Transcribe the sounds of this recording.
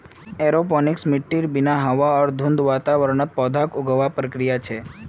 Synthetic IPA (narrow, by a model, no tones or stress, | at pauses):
eɾopɔniksmɪʈːiɾbinaɦəʋaəɾd̪ʱũnd̪ʋat̪aʋəɾɳət̪̚pɔd̪ʱakuɡʱəʋapɾəkɾijat͡ʃʰe